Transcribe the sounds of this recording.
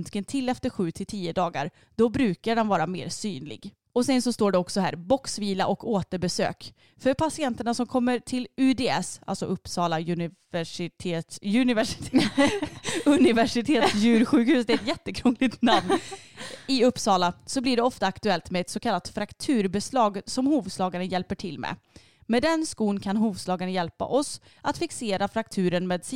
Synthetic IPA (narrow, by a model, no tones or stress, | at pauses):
nt̪kənt̪ʰɪlːɛft̪əɾɧʉ̟ːt̪ʰɪlt̪ʰiːəd̪ɑːɡa̰ɾ | d̪̥ɔbɾʉ̟ːkaɖɛnvɑːɾamḛːɾsyːnlɪ̰ɡ | ɔsɛnsɔst̪oːɖɛɔksɔɦæ̰ːɾbɔksviːlaʔɔkːoːt̪əɾbɛsø̰ːk | fœɾpʰasɪɛnt̪əɳasɔmkʰɔmːəɾʈʰɪlʉd̪eːɛsa̰lsɔʔɵpːsɑːlaɵnɪ | æʂɪt̪ʰeːt̪jɵnɪvæʂɪ̥t̪ʰː | ɵnɪvæʂɪt̪ʰeːt̪sjʉːɾɧʉ̟ːkhʉ̟ːsd̪ɛɛt̪jɛt̪ːəkʰɾuŋlɪɡt̪namn | ɪɵpːsɑːlasɔblɪɖɛɔft̪aːkt̪ɵɛlt̪mɛɛt̪sɔkʰalːat̪fɾakt̪ʰʉ̟ːɾbɛslɑːɡsɔmhuːvslɑːɡaɾənjɛlpəʈʰɪlːmḛ | mɛːd̪ɛnskuːnkʰanɦuːvslɑːɡaɳəjɛlpa̰ʔɔs | ʔat̪fɪkseːɾafɾak̚t̪ʰʉ̟ːɾənmeːd̪s